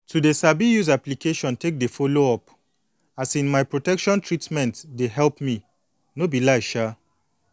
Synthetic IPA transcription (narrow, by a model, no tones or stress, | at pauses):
tʰudesabijuzaplikeʃɔ̃ntek̚defoloɔp | asĩnmajpɹotɛkʃɔ̃ntɹitmɛ̃ntdeɦɛlpmi | nobilaɪʃa